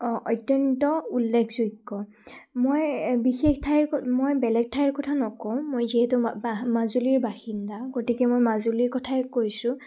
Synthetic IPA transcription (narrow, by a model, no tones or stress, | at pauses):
ɔʔɔjtjɔntɔulːekʰz̥ojkːɔ | mojbixektʰajɹmojbɛlɛɡ̚tʰajɹkɔtʰanɔkɔw̃mojziɦɛtʊamazuliɹbaxindaɡotikɛmojmazuliɹkɔtʰaɛkojsʊ̃